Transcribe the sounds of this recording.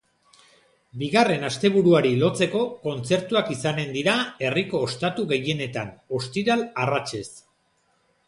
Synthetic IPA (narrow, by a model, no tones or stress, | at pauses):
biɣare̞nast̪e̞βuɾuaɾilo̞t͡se̞ko̞ko̞nt͡se̞ɾt̪uakisane̞nd̪iɾae̞riko̞ːst̪at̪uɣe̞je̞ne̞t̪ano̞st̪iɾalarat͡ʃe̞s